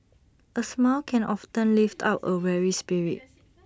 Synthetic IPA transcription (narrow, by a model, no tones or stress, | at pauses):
ʔəsmalkʰɛ̃nʔɔftə̃nliftʰa̰pə̰wɛɹispiɹḭt̚